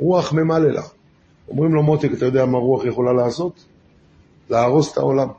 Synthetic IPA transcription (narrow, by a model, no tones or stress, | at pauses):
ʁuaχme̞malelʔa̰ | o̞̰mʁimlo̞mot̪ikat̪ajo̞d̪eamaʁuaχjeχo̞lalaːso̞t̪ | leaʁo̞set̪ʰa̰o̞lam